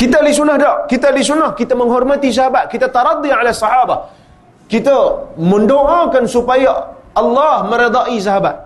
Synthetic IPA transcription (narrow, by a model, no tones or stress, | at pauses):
kit̪alisunahdɔʔkit̪alisunahkit̪amə̃ŋɦɔrmat̪is̬aɦabat̪̚kit̪at̪ɑɾˤɑd̪ˤiʕalasːɑħabah | kit̪aməndoʔakansupajaːlːɑhmə̃ɾed̪ɑʔis̬aɦabat̪̚